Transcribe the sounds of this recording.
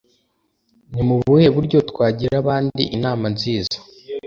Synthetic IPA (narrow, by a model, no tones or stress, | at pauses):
nimuβue̞βuɾɟo̞tkwaːɟiɾaβaːndḭʔinaːmanziːzḁ